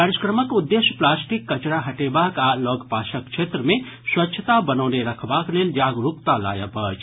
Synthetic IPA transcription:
kaɾiskɾəməkud̪ːeʃjə̥plaːsʈikːɐt͡ʃɾaɦɐʈeːbaːkaːlɔːɡpaːʃəkt͡ʃʰeːt̪ɾəmẽ | swɐtːʃʰət̪abənəːneɾɐkʰbaːkleːld͡ʒaːɡɾukt̪ala̰ːjəpəːt͡ʃ

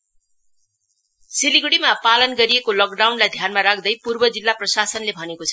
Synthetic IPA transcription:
siliɡɽimapalʌnɡʌɾiekolʌk̚ɖawnlajd̪ʱjanmaɾak̚ʰd̪ʌjpurbʌd͡zilːaprʌsasʌnlebʱʌnekot͡sʰʌ

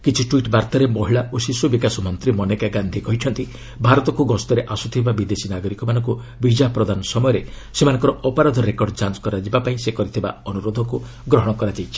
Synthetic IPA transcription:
kit͡ʃʰiʈuiʈbaɾt̪aɾemɔɦiɭaʔosisubikasɔmɔnt̪ɾimɔnekaɡand̪ʱikɔɦiʈʰɔnt̪i | bʱaɾɔt̪ɔkuɡɔst̪ɔɾeʔasut̪ʰibabid̪esinaɡɔɾikɔmanɔŋku | bid͡ʒapɾɔd̪anɔsɔmɔjɔɾe | semanɔ̃ŋkɔɾɔʔɔpɔɾad̪ʱɔɾekɔɾɖd͡ʒanskɔɾad͡ʒibapaĩsekɔɾit̪ʰiba̰ɔnuɾod̪ʱɔŋku | ɡɾɔɦɔɽ̃ɔkɔɾad͡ʒajt͡ʃʰi̥

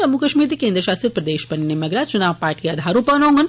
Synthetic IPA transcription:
əmukəʃmiːɾt̪ikẽnd̪ɾəʃaːst̪ɾit̪̚pɾɐd̪eːʃpənnemɐɡɾat͡ʃunaːʋpaːɾʈijad̪ʱaːɾupənõŋɡən

